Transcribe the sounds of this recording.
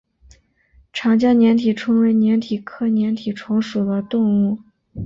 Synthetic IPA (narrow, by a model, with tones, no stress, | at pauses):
ʈ͡ʂʰɑ˧˥ŋt͡ɕjɑ˥njɛ˧˥nt̪ʰi˨˩ʈ͡ʂʰʊ˥ŋwe˧˥ɪnjɛ˧˥nt̪ʰi˨˩kʰɤ˥njɛ˧˥nt̪ʰi˨˩ʈ͡ʂʰʊ˧˥ŋʂu˨˩d̪ə˦t̪ʊ˥˧ŋu˥˩